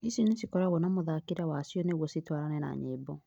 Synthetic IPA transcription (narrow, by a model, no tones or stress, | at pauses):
isinesikɔɾaɣɔnamoðakiɾawasjɔneɣwɔsitwaɾanɛna̰ɲeːbɔ